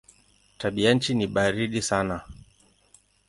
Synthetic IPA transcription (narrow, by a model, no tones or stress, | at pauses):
taɓianɲ̩t͡ʃiniɓaɾiɗisana